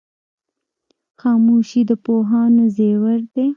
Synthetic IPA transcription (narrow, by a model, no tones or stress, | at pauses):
xɑːmuʃid̪əpoɦɑnozewəɾd̪e